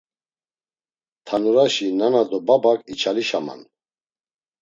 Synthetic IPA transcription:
t̪ʰanuɾaʃinanad̪ɔbabakʼit͡ʃʰaliʃama̰n

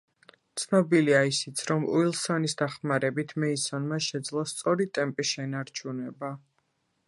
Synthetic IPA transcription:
t̪sʰnɔbiliaisit̪sʰɾɔmṵilˠsɔnisd̪aχmaɾɛbit̪ʰmɛisɔnmaʃɛd̪zlˠɔst̪sʼɔɾit̪ʼɛmpʼiʃɛnaɾt͡ʃʰunɛba

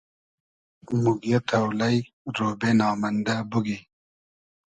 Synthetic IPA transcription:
muɡijɐt̪ʰɐwlɐj | ɾoːbenɑːmɐnd̪abuɡi

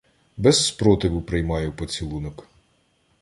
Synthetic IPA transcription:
bɛzːpɾɔt̪ɪʋʊpɾɪjmɑjʊpɔt͡sʲilˠunɔk

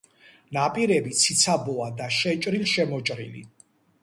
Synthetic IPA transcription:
napʼiɾɛbit̪sʰit̪sʰabɔad̪aʃɛt͡ʃʼɾilʃɛmɔt͡ʃʼɾḭlḭ

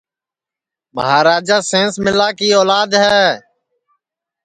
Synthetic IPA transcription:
mə̰ɦaːɾaːd͡ʒaːsẽːnsmɪlaːkiːɔːlaːd̪ɦɛː

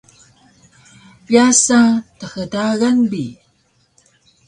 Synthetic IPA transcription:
piasatəxədaɣanbi

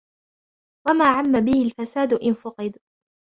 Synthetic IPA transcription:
wamaːʕamːabɪhɪlfasaːd̪ʊʔɪnfʊqɨd̪

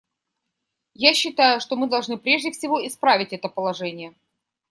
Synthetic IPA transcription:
jaɕːɪt̪ajʊʂt̪o̞mɨd̪ɐlˠʐnɨpɾʲe̞ʐdʲɪfsʲɪvo̞ɪspɾavʲɪtʲɛt̪əpəlˠɐʐɛnʲɪjə

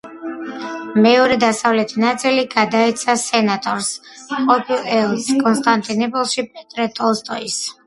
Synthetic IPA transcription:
mɛɔɾɛd̪asavlɛt̪ʰinat̪sʼiliɡad̪aɛt̪sʰasɛnat̪ʼɔɾsqʼɔpʰilˠɛlˠskʼɔnst̪ʼant̪ʼinɛpʼɔlˠʃipʼɛt̪ʼɾɛt̪ʼɔlˠst̪ʼɔis

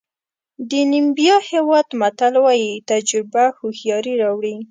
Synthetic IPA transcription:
d̪ənimbijɑhewɑd̪mat̪alwɑjit̪ad͡ʒɾɪbahʊhjɑɾiɾɑwɽi

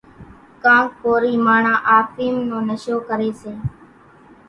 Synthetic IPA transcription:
kãːk̚poːɾiːmaːɳãːʔaːfiːmnõːnəʃoːkəɾeːseː

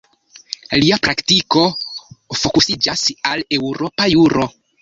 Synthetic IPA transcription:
liapɾaktiko̞fo̞kusid͡ʒasale̞wɾo̞pajuɾʔo̞

